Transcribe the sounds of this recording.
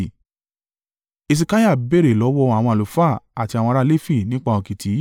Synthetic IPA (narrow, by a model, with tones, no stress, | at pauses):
e˧s̬i˧ka˦ja˦˨be˦˨ɾe˨lɔ˨˦wɔ˧˦a˨w̃ɔ̃˧a˨o˨fa˦˨a˨ti˧a˨w̃ɔ̃˧ɾa˦˧le˦fi˦˨nĩ˦k͡pa˧˨õ˨ki˨tʰi˨˦